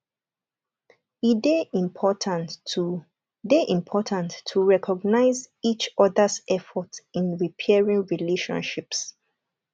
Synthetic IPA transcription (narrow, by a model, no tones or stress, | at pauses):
idepʰɔtʰã | deʔĩmpʰɔtʰãntʰːuɹɛkʰɔɡnaɪzit͡ʃɔðasɛfɔtĩnɹipʰɛɹĩŋɹileʃɔ̰̃nʃips